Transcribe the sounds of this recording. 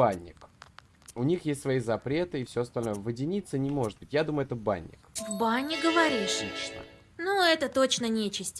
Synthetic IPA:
anʲːɪ̰k | ʊnʲixjesʲt̪ʲsvɐitʲzɐpɾʲe̞t̪ɨɪfsʲoɐst̪ɐlʲno̞jəvədʲɪnʲit̪sənʲɪmo̞ʐɨt̪̚bɨtʲjad̪uməjʊɛt̪əba̰nʲːɪ̰kvbanʲɪɡəvɐɾʲiʂʂnə̰ | nuɛt̪ət̪o̞t͡ɕnənʲet͡ɕɪsʲtʲ

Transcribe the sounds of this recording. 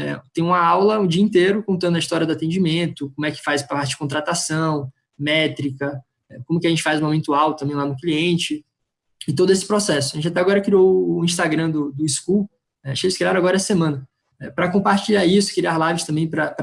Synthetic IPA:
ɛ̰t̪ẽj̃ũmɐawlɐũd͡ʒiɐĩnt̪eɾʊkõnt̪ɐ̃nd̪ɐist̪ɔɾiɐd̪ʊat̪ẽd͡ʒimẽnt̪ʊkõmʊɛkɪ̥fajspɾɐpaɾt͡ʃɪd͡ʒɪ̥kõt̪ɾat̪asɐ̃w̃ | mɛt̪ɾikɐ | ɛkõmʊkɪɐʒẽt͡ʃɪfajzũmomẽnt̪uawt̪ɐ̃mbẽj̃lanʊkliẽt͡ʃɪ | ɪt̪od̪ʊesɪ̥pɾɔsɛsʊaʒẽt͡ʃat̪ɛaɡɔɾɐkɾiowʊːĩs̬t̪aɡɾɐ̃d̪ʊd̪ʊisku | ɛʃelɪskiaɾ̃ɐ̃aɡɔɾɐɛsemɐ̃nɐ | ɛpɾɐkõmpaɾt͡ʃiʎaɾisʊ̥kɪɾialajvɪst̪ɐ̃mbẽj̃pɾɐp

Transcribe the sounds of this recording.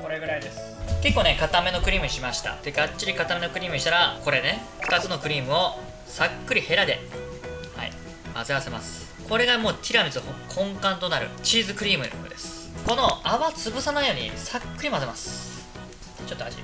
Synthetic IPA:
ko̞ɾeɡɯ̟ɾaid̪e̞sɨ̥ke̞kːoːnekat̪ame̞no̞kɯ̟ɾʲiːmɯ̟ɕimaɕi̥t̪a̰d̪̥eɡat͡ɕt͡ɕːiɾʲikat̪ame̞no̞kɯ̟ɾʲiːmɯ̟ɕi̥t̪aɾako̞ɾe̞ne | ɸɯ̥t̪at͡sɨno̞kɯ̟ɾʲiːmɯ̟o̞ | sakːɯ̟ɾʲihe̞ɾad̪e̞ | ha̰ḭ | ma̰zɨase̞ma̰sɨ̥ | ko̞ɾe̞ɡamo̞ːt̪ʲʰiɾamʲit͡sɨkʰõ̞ŋkãnt̪o̞naɾɯ̟̰t͡ɕiːzɨkɯ̟ɾʲiːmɯ̟d̪eko̰d̪e̞sɨ̥ | ko̞no̞aβat͡sɨbɯ̟sanaijo̞ːɲ̟ḭsakːɯ̟ɾʲimazemasɨ̥ | t͡ɕo̞t̪ːoaʑḭ

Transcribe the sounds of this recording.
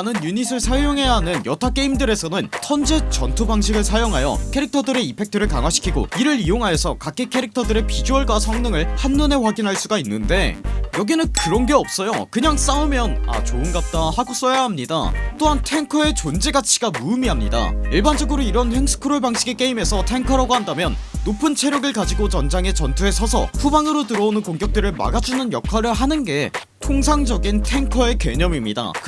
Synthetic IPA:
anɯnjunisʰɯɭsʰajoŋɦe̞jaɦanɯnjʌtʰak͈e̞imdɯɾe̞sʰʌnɯntʰʌnd͡ʑe̞t͡ɕʌntʰobaŋɕʰiɡɯɭsʰajoŋɦajʌ̰kʰe̞ɾik̚tʰʌdɯɾe̞ipʰe̞k̚tʰɯɾɯɭkaŋwaɕʰi̥kʰiɡo̰iɾɯɾijoŋɦajesʰʌkak͈ʰekʰe̞ɾik̚tʰʌdɯɾe̞pid͡ʑuʌɭɡwasʰʌŋnɯŋɯɭhanːʌne̞ɸwaɡinɦaɭs͈uɡainːɯnde̞jʌɡinɯnkɯɾʌnɡe̞ʌp̚s͈ʌjokɯɲaŋs͈aɯmjʌna̰t͡ɕoɯnɡap̚t͈ahaɡos͈ʌjaɦamɲida̰t͈oɦantʰe̞ŋkʰʌe̞t͡ɕond͡ʑeɡat͡ɕʰi̥ɡamumiɦamɲida̰iɭband͡ʑʌɡɯɾoiɾʌnɸensʰɯ̥kʰɯɾoɭbaŋɕ͈ʰiɡek͈e̞ime̞sʰʌtʰe̞ŋkʰʌɾaɡoɦandamjʌnːopʰɯnt͡ɕʰe̞ɾjʌɡɯɭkad͡ʑiɡot͡ɕʌnd͡ʑaŋe̞t͡ɕʌntʰue̞sʰʌsʰʌ̰ɸubaŋɯɾotɯɾʌonɯnkoŋɡjʌk̚t͈ɯɾɯɭma̰ɡad͡ʑunɯnjʌkʰwaɾɯɭɦanɯnɡe̞ | tʰoŋs̬ʰaŋd͡ʑʌɡintʰe̞ŋkʰʌe̞ke̞ɲʌmimɲida̰

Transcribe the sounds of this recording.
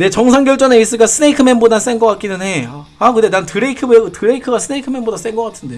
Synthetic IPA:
ne̞t͡ɕʌŋsʰaŋɡjʌɭt͡ɕ͈ʌneis͈ɯɡasʰɯneikʰɯmenbodas͈enɡʌk͈at̚k͈inɯne̞a | akɯndetantɯɾeikʰɯbtɯɾeikʰɯɡasʰɯneikʰɯme̞nbodas͈enɡʌk͈atʰɯnde̞

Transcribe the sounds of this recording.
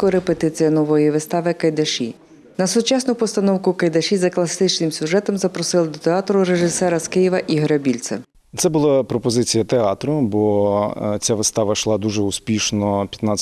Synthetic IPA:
kɔɾepet̪ɪt͡sʲijɐnɔʋɔjiʋɪst̪ɑʋɪkɐjd̪ɐʃḭ | nɐsʊt͡ʃɑsnʊpɔst̪ɐnɔwkʊkɐjd̪ɐʃʲizɐklˠɐsɪt͡ʃnɪmsʲʊʒɛt̪ɔmzɐpɾɔsɪlˠɪd̪ɔt̪eɑt̪ɾʊɾeʒɪsɛɾɐskɪjɛʋɐʔiɦɔɾʲɐbʲilʲt̪sɛ̰ | t̪sɛbʊlˠapɾɔpɔzɪt͡sʲijɐt̪eɑt̪ɾʊbɔ | t͡sʲaʋɪst̪ɑʋɐʃlˠɑd̪uʒɛuspʲiʃnɔpʲjɐt̪nat͡sʲː

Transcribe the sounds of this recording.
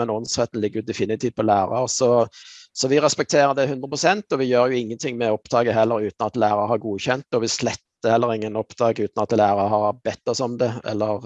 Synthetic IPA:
mɛnɔnsʁɛt̪ːn̩lɪɡːɾjʊd̪ɛfɪnɪt̪ʰiːt̪̚pʰɔlæːɾɑɾsɔsɔʋɪɾɛspɛk̚t̪ʰeːɾəd̪ɛhʉnd̪ɾəpʰɾʊsɛnt̪ɔʋɪjøːɾjʊɪŋːənt̪ʰɪŋmɛɔpd̪ɑːɡəɦɛlːəɾʉːt̪nɑt̪læːɾɑɾhɑɾɡuːçɛnt̪ːɔʋɪslɛt̪ːəhɛlːəɾɪŋːənɔpd̪ɑːɡəʉːt̪nɑt̪læːɾɑɾhɑɾbɛt̪ːɔsɔmd̪ɛɛ̰lːəɾ

